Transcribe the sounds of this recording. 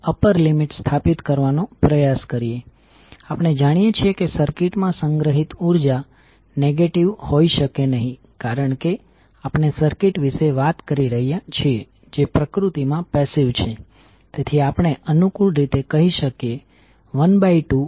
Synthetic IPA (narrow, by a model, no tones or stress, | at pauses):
əpəɾlimiʈst̪ʰapit̪kəɾʋanopɾəjaskəɾije | apɽ̃ed͡ʒaɽ̃ijet͡ʃʰiekesəɾkiʈmãsəŋɡɾəɦit̪uɾd͡ʒa | neɡeʈiʋhoiʃəkenəɦĩ | kaɾəɳke | apɳ̃esəɾkiʈʋiʃeʋat̪kəɾiɾəɦijat͡ʃʰie | d͡ʒepɾəkɾut̪imãpɛsiʋt͡ʃʰe | t̪et̪ʰiapɳ̃eʔənukuɭɾit̪ekəɦiʃəkje | ʋənbaiʈu